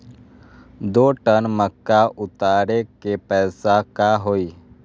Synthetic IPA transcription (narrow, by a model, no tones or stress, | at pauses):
d̪oːʈənməkːaʔʊt̪aːɾekepɛːsakaɦoːiː